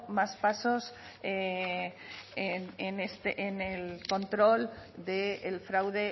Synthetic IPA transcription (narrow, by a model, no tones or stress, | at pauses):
maspaso̞s | e | enenest̪eʔenelko̞nt̪ɾo̞ld̪eːlfɾawðe̞